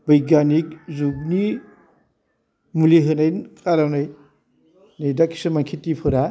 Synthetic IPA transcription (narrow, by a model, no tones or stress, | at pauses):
bɯjɡanik̚zukni | muliɦɯnajnkʰaɾawnaj | najdakːi̥sɯmaŋkʰitːipʰɯɾa